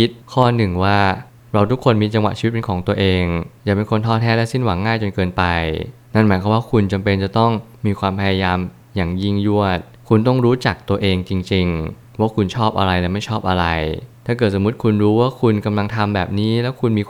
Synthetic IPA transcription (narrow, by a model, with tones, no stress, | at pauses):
i˦˥t̪̚kʰɔː˥˩nɯ˨˩ŋwaː˥˩ | ɾa˧wt̪ʰu˦˥kʰːo˧nmiː˧t͡ɕa˧ŋwa˨˩t͡ɕʰiː˧˦t̪̚pe˧nkʰɔː˩˦ŋt̪u˧ɐʔeː˧ŋjaː˨˩kpe˧nkʰo˧nt̪ʰɔː˥˩t̪ʰɛː˥˩lɛ˦˥si˥˩nwa˩˦ŋːaː˥˩jt͡ɕo˧nkɤː˧npa˧j | na˥˩nmaː˩˦jkʰɔ˧˦waː˥˩kʰu˧nt͡ɕa˧mpe˧nt͡ɕa˨˩t̪ɔ˥˩ŋ | miː˧kʰwaː˧mpʰa˧ja˧jaː˧m | jaː˨˩ŋji˥˩ŋju˥˩ət̪̚kʰu˧nt̪̬ɔ˥˩ŋɾuː˦˥t͡ɕa˨˩k̚t̪u˧ɐʔeː˧ŋt͡ɕi˧ŋt͡ɕi˧ŋ | waː˦˥˩kʰu˧nt͡ɕʰɔː˥˩p̚ʔa̰˧ɾa˧jlɛ˦˥ma˥˩jt͡ɕʰɔː˥˩p̚ʔa˧ɾa˧jt̪ʰaː˥˩kɤː˨˩t̪̚so˩˦mu˦˥t̪̚kʰu˧nɾuː˦˥waː˥˩kʰu˧nka˧mla˧ŋt̪ʰa˧mbɛ̰ː˨˩p̚niː˦˥lɛː˦˥wkʰu˧nmiː˧